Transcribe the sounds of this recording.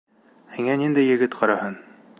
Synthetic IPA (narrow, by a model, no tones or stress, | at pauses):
hiŋænind̪æjːɘ̆ɡɘt̪qʰɑɾɑhɤn